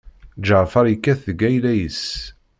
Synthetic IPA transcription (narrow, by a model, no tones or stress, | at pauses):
d͡ʒəʕfɑɾˤjəkːæθðəɡæjlæjəs